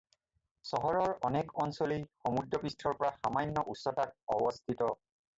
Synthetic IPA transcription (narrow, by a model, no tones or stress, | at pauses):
sɔɦɔɹɔɹɔnekɔnsɔlijxɔmudɔpistʰɔɹpɔɹaxamajnːɔʔusːɔtat̚ɔ̰bɔst̪ʰitɔ